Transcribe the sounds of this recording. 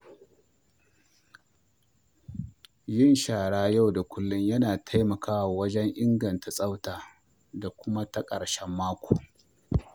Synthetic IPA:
jɪ˦˨nʃaː˨ɽaː˦ja˦˨wda˨kʷʊ˦lːʊ˦ɲjɐ˦naː˨tʰa˦jmɐ˨kʰaː˦wa˨wɐ˦d͡ʒɛ˦ŋʔɪ˦ŋɡɐ˨nta˨sʼɐ˦wtaː˨ | da˨kʷʊ˦ma˦tɐ˦kʼɐ˨ɽʃɛ˦mːaː˦kʷoː˨

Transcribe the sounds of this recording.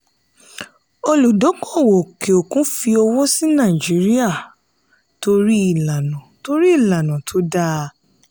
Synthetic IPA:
o˧lu˨dɔ˨˦kɔ˦˨wɔ˨ke˨o˨kũ˦fi˧ɔ˧wɔ˦si˦nãː˦˨d͡ʒi˨˦ɾi˦a˦˨ | to˦ɾi˦i˦˨la˨nã˨to˦ɾi˦i˦˨la˨nã˨tʰo˨˦da˦

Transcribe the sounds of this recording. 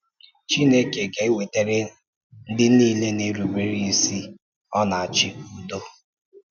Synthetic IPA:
t͡ʃi˦ne˦ke˨ɡe˨e˦we˨te˨ɾe˦ | n̩˦dɪ˦niː˦˨le˦ne˨˦ɾu˨be˨ɾi˦i˦si˦ | ɔ˦na˨a˨t͡ʃɪ˦u˦do˦

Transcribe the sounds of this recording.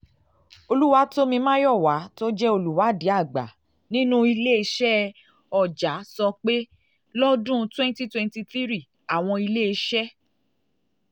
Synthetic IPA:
o˧lu˦wa˦to˦mĩ˧mãː˦jɔ˦˨wa˨˦to˦d͡ʒɛ˦o˧lu˦wa˨˦˨di˨˦a˦˨ɡ͡ba̰˨ | nĩ˦nũ˦i˧le˦i˧ʃɛ˦ | ɔ˨d͡ʒa˨˦sɔ˧k͡pe˦ | lɔ˦dũ˦twɛ̃˦n˦ti˦twɛ̃˧˦nti˧ti˦ɾi˦˨ | a˨w̃ɔ̃˧i˧le˦˧ʃɛ˦

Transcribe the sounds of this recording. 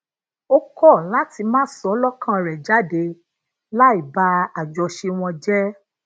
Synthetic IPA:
o˦kɔ˦˨la˨˦ti˧mã˦sɔ˨˦lɔ˦kã˦˨ɾɛ˨d͡ʒa˦de˧ | la˦i˦˨ba˧a˨d͡ʒɔ˧ʃe˧w̃ɔ̃˧d͡ʒɛ˦

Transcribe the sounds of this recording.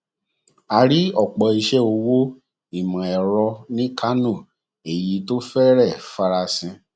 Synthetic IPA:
a˧ɾi˨˦ɔ˦˨k͡pɔ˨i˧ʃɛ˦o˧wo˦ | i˦˨mã˨ɛ˨ɾɔ˧nĩ˦ka˦nũ˦˨ | e˨ji˨˦to˦fɛ˦ɾɛ˦˨fa˧ɾa˧sĩ˧

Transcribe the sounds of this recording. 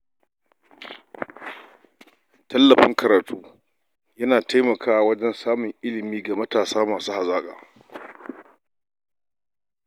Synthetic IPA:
tɐ˦lːɐ˨ɸɪ̰˦ŋkɐ˨ɾaː˨tʰuː˦ | jɐ˦naː˨ta˦jmɐ˨kʰaː˦˨wɐ˦d͡ʒɛ˦nsaː˦mʊ˨ŋʔɪ˦lɪ˨miː˦ɡa˨mɐ˦taː˨saː˦maː˨suː˦ha˨zaː˦kʼa̰ː˨

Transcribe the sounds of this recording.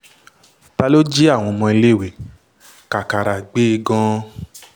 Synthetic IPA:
ta˧lo˦d͡ʒi˦a˦˨w̃ɔ̃˧mɔ̃˧i˧le˦˨we˨ | ka˨ka˨ɾa˨ɡ͡be˨˦˧ɡɔ̃˧

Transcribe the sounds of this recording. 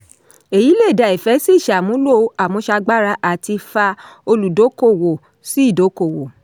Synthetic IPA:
e˨ji˨˦le˦˨da˨˧˨i˨fɛ˨˦si˦˨ʃa˨mũ˨˦lo˦˨˦a˨mũ˨˧˦ʃa˧ɡ͡ba˦ɾa˧ʔa˨ti˧fa˧o˧lu˨do˨˦ko˦˨wo˨ | si˦i˦˨do˨˦ko˦˨wo˨

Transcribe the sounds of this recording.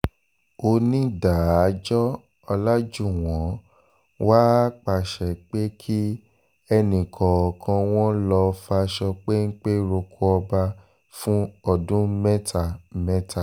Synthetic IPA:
o˧nĩ˦da˨a˨˦d͡ʒɔ˦ | ɔ˧la˦d͡ʒu˦˨w̃ɔ̃˨˦ | waː˦k͡pa˨ʃɛ˨k͡pe˦kʰi˦ | ɛ˧nĩ˨kʰɔ̃˨kʰã˧w̃ɔ̃˦lɔ˧fa˧ʃɔ˧k͡pe˦ŋ̩˦k͡pe˦ɾo˧kʰo˦ɔ˧ba˧ | fũ˦ɔ˨dũ˦mɛ̃˦tʰa˨mɛ̃˦ta˨

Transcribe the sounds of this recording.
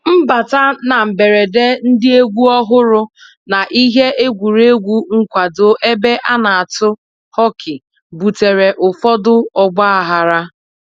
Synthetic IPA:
m̩˦ba˨ta˦na˨m̩˨be˨ɾe˨de˦n̩˦dɪ˦e˦ɡʷu˦ɔ˦ɦʊ˦ɾʊ˦ | na˨ʔi˦ɦe˦ʔe˦ɡʷu˨ɾe˦ɡʷu˦ŋ̩˦kʷa˨do˨ʔe˦be˦ʔa˦na˨a˨tʊ˦ | hɔ˦kʰɪ˨ | bu˨te˨ɾe˨ʔʊ˨fɔ˦dʊ˦ɔ˨ɡ͡ba˦a˨ɦa˨ɾa˦

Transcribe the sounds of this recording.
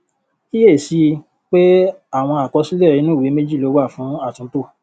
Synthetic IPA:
i˦je˦˨si˨˧˦ | k͡pe˦a˦˨w̃ɔ̃˧a˨kɔ˧˦si˦lɛ˦˨i˨˦nũ˦˨we˨˦me˦d͡ʒi˦˨lo˨˦wa˦˨fũ˨˦a˦˨tũ˨˦to˦˨

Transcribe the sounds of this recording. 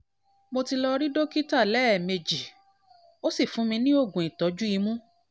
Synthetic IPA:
mo˧ti˧lɔ˧ɾi˦do˦ki˦ta˦˨lɛː˦ɛ˨me˧d͡ʒi˨ | o˦si˦˨fũ˨˦mĩ˧nĩ˦o˦˨ɡũ˨ĩ˨tɔ˨˦d͡ʒu˦i˧mũ˦

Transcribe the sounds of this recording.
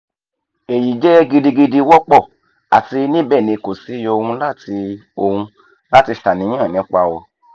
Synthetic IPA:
e˨ji˨d͡ʒɛ˦ɡi˧di˧ɡi˧di˧wɔ˦k͡pɔ˦˨ | a̰˨ti˧nĩ˦bɛ˦˨nĩ˧ko˨si˨˦jo˧hũ˧la˦˨ti˧o˧hũ˧ | la˦˨ti˧ʃa˨nĩ˨˦ã˦˨nĩ˨˦k͡pa˧wɔ˧

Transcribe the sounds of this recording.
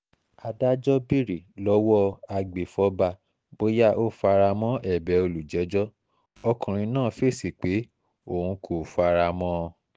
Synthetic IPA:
a˧da˦d͡ʒɔ˦bi˦ɾi˨lɔ˨˦wɔ˦a˧ɡ͡be˨fɔ˨˦ba˧ | b̥o˦ja˦ʔo˦˨fa˧ɾa˧mɔ̃˦ʔɛ˦˨bɛ˨˦o˧lu˨d͡ʒɛ˨˦d͡ʒɔ˦ | ɔ˧kũ˨ɾ̃ĩ˧nãː˦˨fe˦˨si˨k͡pe˨˦ | o˦˨hũ˨˦kʰo˨fa˧ɾa˧mɔ̃˦˧

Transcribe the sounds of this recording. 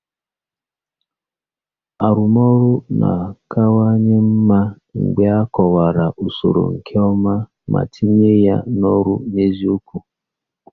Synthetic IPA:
a˨ɾʊ˨mɔ˦ɾʊ˦na̰˨kʰa˦wa˦ɲe˦m̩˦ma˦ | ŋ̩˨ɡ͡be˦a˦kɔ˨wa˨ɾa˨ʔu˨so̰˨ɾo̰˨ŋ̩˨kʰe˦ɔ˦ma˦ | ma̰˨tʰi˦ɲe˦ja˦nɔ˦ɾʊ˦ne˦zi˦o˦kʷu˦

